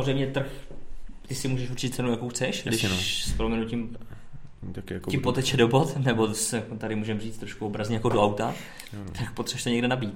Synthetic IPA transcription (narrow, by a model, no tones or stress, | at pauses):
samorɛjmɲɛt̪r̩x | t̪ɪsɪmuːʒɛʃurt͡ʃit̪̚t͡sɛnujakowxt͡sɛʃdɪʃspɾomʲɛnucim | t̪akɪjaɪmpo̞t̪ɛt͡ʃɛdobo̞t̪nɛbo̞sɛkt̪aɾɪmuːʒɛmriːt͡st̪ɾoʃkuobɾazɲɛjakodoawt̪a | t̪akpot̪rɛʃsoɲɛɡdɛnabiːt̪̚